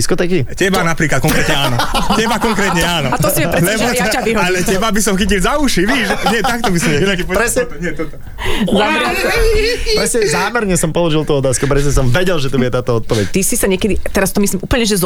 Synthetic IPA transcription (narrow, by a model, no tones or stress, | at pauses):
iskɔt̪ɛːkicɛbanapɾiːklat̪kɔŋkɾɛt̪ɲɛaːnɔt͡ɕɛbakɔŋkɾɛːt̪ɲɛaːnɔat̪ɔsiɛɾɛɛaʋiɦɔalɛcɛbabisɔmxicilzauʃiʋiːʃɲɪɛt̪ak̚t̪ɔbisɔmɛppɾɛsɲɛɲɪɛt̪ɔt̪ɔ | zamɾɛ | pɾɛsɲɛzaːmɛɾɲɛsɔmpɔlɔʒilt̪uɔt̪aːskupɾɛs̬ɲɛs̬ɔmʋɛɟɛlʒɛt̪ubuɟɛt̪aːt̪ɔɔt̪̚pɔʋɛ̰ct̪isisaɲɛkɛd̪it̪ɛɾast̪ɔmislimʔuːpl̩ɲɛʒɛz